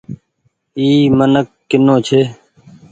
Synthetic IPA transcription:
iːmənəkːɪnoːt͡ʃʰeː

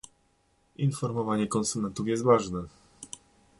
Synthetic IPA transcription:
infɔɾmɔvaɲɛkɔnsumɛnt̪ufjɛst̪vaʐnɛ

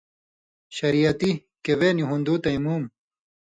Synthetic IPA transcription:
ɕɐɾijɐt̪i | keweniɦund̪uːt̪ɐimuːm

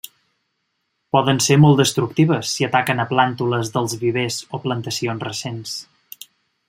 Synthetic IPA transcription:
pɔðənseɾmɔlˠd̪əst̪ɾuk̚t̪iβ̞əsːiət̪akənəplant̪uləzðəlˠzβiβ̞ezoplənt̪əsionzrəsens

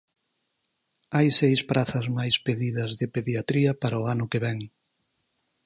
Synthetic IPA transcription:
ajsejspɾaθɐzmajspeðiðɐzðɪpeðjat̪ɾiɐpaɾɐʊanʊkeβɛŋ

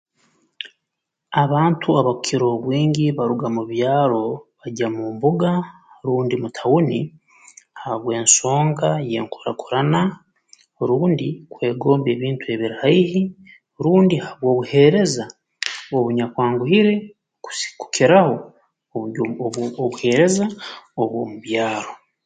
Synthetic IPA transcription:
aβaːntʰuaβaukʰiɾo̞βwiːɲiβaɾuɡamuβjaːɾo̞βaɟamumbuɡa | ɾuːndimutʰawuni | haβwe̞ːnso̞ːŋɡaje̞̰ːŋku̥ɾa̰kʰu̥ɾana | ɾuːndikwe̞ːɡo̞ːmbe̞ːβiːntue̞βiɾaihi | ɾuːndihaβwo̞ːβuhe̞ɾe̞za | oβuɲakwaːŋɡuhiɾe̞ | ku̥sku̥kʰiɾaho̞ | oβuhe̞ɾe̞zaoβwo̰ːmuβjaːɾo

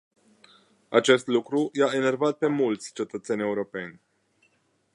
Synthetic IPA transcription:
at͡ʃe̞st̪lukɾujaene̞rvat̪̚pe̞mult̪sʲt͡ʃe̞t̪ət̪se̞nʲe̞uɾo̞pe̞nʲ

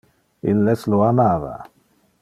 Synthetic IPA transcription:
ḭlːesloamaːva̰

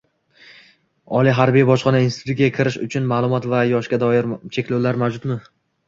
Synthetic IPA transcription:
ɒlˠiɦaɾbijbɒʃqɒnainsɪ̥t̪ʰʊt̪̚ʲakʲʰɪɾɪʃʊt͡ʃʰʊnmaːlˠʊmɒt̪vajɒʃkʲad̪ɒjɪɾt͡ʃʰe̞kʲlowlaɾmawd͡ʒʊt̪mɪ

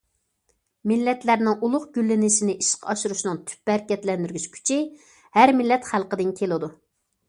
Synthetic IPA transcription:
mɪlːɛt̪læɾnɪŋʔulˠʊχɡ̥ʲylːɪnɪʃinɪʔiʃqʰɑʃuɾuʃnɨŋt̪ʰy̥p̚bæɾkʲɛt̪lɛnd̪yɾɡʲyt͡ʃkʲʰy̥t͡ʃʰɪ | hæɾmɪlːɛt̪χælˠqəd̪ɪnkʲʰelɨd̪u

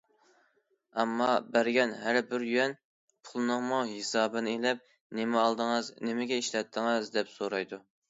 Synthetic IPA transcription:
ɛmːɑbæɾɡʲɛnɦæɾbɪɾjyɛn | pʰulˠɨnʊŋmuɦesɑːbɨnelɛp̚ | nɪmɪɑlˠd̪əŋɨznɪmɪɡʲɛiʃlɛt̪ʰːɪŋɨzd̪ɛpsoɾɑjd̪u

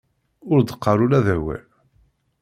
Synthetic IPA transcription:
ʊɾd̪əqːɑɾˤulæðæwæ̰l

